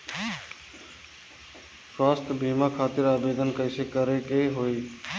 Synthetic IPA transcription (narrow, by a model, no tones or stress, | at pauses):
swaːst̪ʰbʱiːmakʰaːt̪ɪɾaːbeːd̪ənkəɪsekəɾekeɦoːi